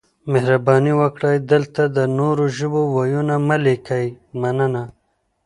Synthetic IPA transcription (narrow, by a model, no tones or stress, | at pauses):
mehɾabɑːniwəkɽajd̪əlt̪ad̪ənoɾoʒubowajunamalekʰajmɐnəna